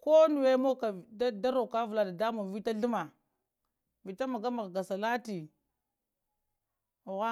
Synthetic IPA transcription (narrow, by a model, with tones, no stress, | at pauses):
ko˦nu˨we˦mo˦ka˨dda˦ɾo˨ka˦vu˨la˨da˨da˦mo˨vi˦ta˦ɬu˦ma˨ | vi˨ta˦ma˨ɡa˦ma˨ɡɡa˨sa˨la˦ti˨ | ɣa˦